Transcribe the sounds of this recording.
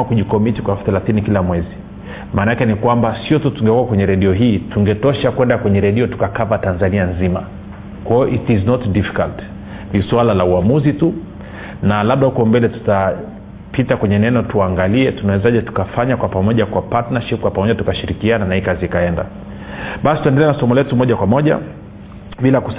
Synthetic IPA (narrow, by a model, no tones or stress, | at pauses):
akuʄikɔmitikwafθɛlaθinikilamwɛzi | maːnaakɛnikwambasiɔtutuŋɡɛkuakwɛɲɛɾɛɗiɔɦiːtuŋɡɛtɔʃakwɛndakwɛɲɛɾɛɗiɔtu̥kakapatanzanianzima̰ | kwajɔʔitiznɔtdifi̥kalt | niswalalauamuzitu | nalaɓ̚ɗahukɔmbɛlɛtu̥ta | pʰitakwɛɲɛnɛnɔtuaŋɡaliɛtunawɛzaʄɛtu̥kafaɲakwapamɔʄakwapatnaʃip̚kwapamɔʄatukaʃiɾikiananaikaziikaɛnda̰ | ɓasi̥tuɛndɛlɛnasɔmɔlɛtumɔʄakwamɔʄa̰ | ɓilaku